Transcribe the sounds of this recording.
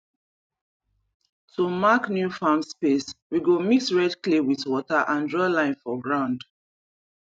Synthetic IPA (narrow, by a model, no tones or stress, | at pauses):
tʰumaknjufamspeswiɡomitɹɛdklewiðwɔtaʔãndɹɔlãɪ̃nfɔɡɹãʊ̃nd